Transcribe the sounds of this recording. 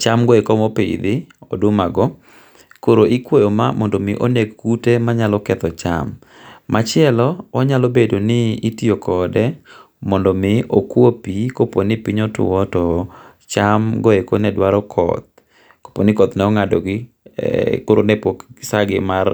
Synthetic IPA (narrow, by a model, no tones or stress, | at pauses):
t͡ʃamɡɔekomopɪ̰d̪ɪɔ̰dʊmaɡɔ | koɾoʔikwojoma̰mɔndɔmɪʔonekkutemaɲalɔkɛt̪ɔt͡ʃa̰mː | at͡ʃɪɛlɔɔɲalobedonɪːtiokʰɔdɛ | mɔndɔmɪokwopikoponɪpiɲɔtʊ̰wɔtɔ | t͡ʃamɡɔekonɛdwaɾɔkʰɔ̰t̪̚ | ko̥ponɪkɔt̪nɛɔŋadɔ̰ɡɪ | koɾonɛpoksaɡɪmar